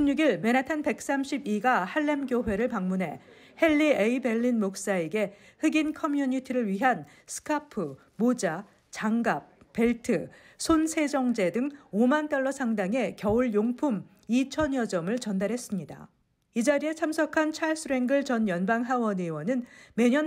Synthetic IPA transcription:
ɕimɲuɡiɭme̞natʰanpe̞k̚s͈amɕʰibiɡahaɭːe̞mɡjoɦwe̞ɾɯɭpaŋmunɦe̞ | he̞ɭːieibe̞ɭːinmok̚s͈ae̞ɡe̞ | hɯɡinkʰʌmjuɲitʰiɾɯɭɥiɦan | sʰɯ̥kʰapʰɯ | mod͡ʑa | t͡ɕaŋɡap̚p͈e̞ɭtʰɯ | sʰonsʰe̞d͡ʑʌŋd͡ʑe̞dɯŋomant͈ʌɭːʌsʰaŋdaŋe̞kjʌuɭjoŋpʰum | it͡ɕʰʌnjʌd͡ʑʌmɯɭt͡ɕʌndaɾɦe̞s͈ɯmɲida̰ | id͡ʑaɾie̞t͡ɕʰamsʰʌkʰant͡ɕʰaɭs͈ʰɯɾe̞ŋɡɯɭt͡ɕʌnjʌnbaŋɦawʌnɯwʌnɯnme̞ɲʌn

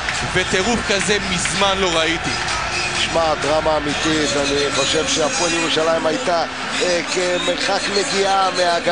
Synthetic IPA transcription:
vet̪eʁufkaze̞mizmanlo̞ʁait̪i | ʃmad̪ʁamaːmit̪it̪aniχo̞ʃe̞vʃeapoeljeʁuʃalaimajt̪a | kemeʁχakmeɡiameaɡ

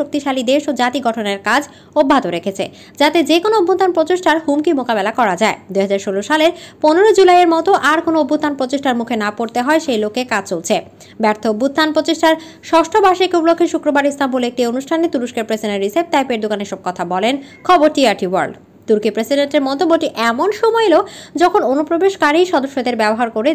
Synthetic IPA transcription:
ok̚t̪iʃalid̪eʃod͡ʑat̪iɡɔʈʰoneɾkad͡ʑ | obʱːad̪oɾekʰet͡ɕʰḛ | d͡ʑat̪ed͡ʑekonoobʱːut̪ːanpɾot͡ɕeʃʈaɾɦumkimokabelakɔɾad͡ʑaed̪uɦad͡ʑaɾʃoloʃaleɾponeɾod͡ʑulajeɾmɔt̪oʔaɾkonoobʱːut̪ːanpɾot͡ɕeʃʈaɾmukʰenapoɾt̪eɦɔeʃejlokːekad͡ʑt͡ɕolt͡ɕʰe | bɛɾt̪ʰoobːut̪ːanpɾot͡ɕeʃʈaɾ | ʃɔʃʈʰobaʃikuplokʰːeʃukɾobaɾist̪ambulek̚tionuʃʈʰanet̪uɾuʃkeɾpɾesiɖeɾisep̚t̪ajpeɾd̪okaneʃɔb̚kɔt̪ʰabɔlenkʰɔboɾt̪iaɾʈiwa̰ɾɖ | t̪uɾkipɾesiɖenʈeɾmɔt̪obːoʈiʔɛmonʃɔmɔelod͡ʑɔkʰononupɾobeʃkaɾijʃɔd̪oʃːod̪eɾbɛboɦaɾkoɾe

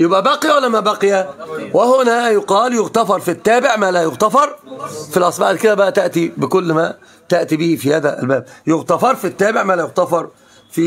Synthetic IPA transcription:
jɪbʔæbaqɪjwalːæmabaqɪjæwɪhʊnæjʊqɑːljʊɣt̪afɑɾˤfit̪ːaːbɪʕmæːlajʊɣt̪afɑɾˤfilʔɑsˤbɑʕħd̪kɪd̪æbæʔæt̪aʔt̪ibɪkʊlːmæ | t̪aʔt̪ibɪhfihaːðæ̰lbæːb̚jʊɣt̪ɑfɑɾˤfit̪ːaːbɪʕmæːlæjʊɣt̪ɑfɑɾˤ | fi

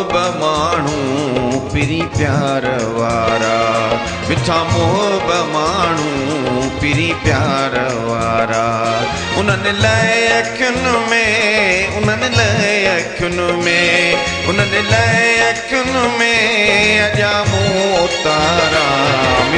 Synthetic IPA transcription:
bmaːɳ̤ũpiɾipjaːɾəʋaːɾa | ʋɪtʰaːmʊɦəbmaːɳ̤ũ | piɾipjaːɾ | ʋaːɾaː | ʊn̤ənɪlaːɪɪɐkʰjʊnʊmẽ | ʊn̤ənɪlaːɪɐkʰjʊnʊmẽ | ʊn̤ənɪlaːɪɪɐkʰjʊnʊmẽɐʄaːmũoːt̪aːɾam

